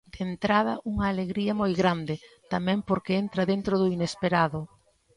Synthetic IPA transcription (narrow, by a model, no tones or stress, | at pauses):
d̪̥ent̪ɾaðɐʔuŋɐːleɣɾiɐmojɣɾand̪ɪt̪amɛ̃mpoɾkɪent̪ɾɐðent̪ɾoðʊinespeɾaðʊ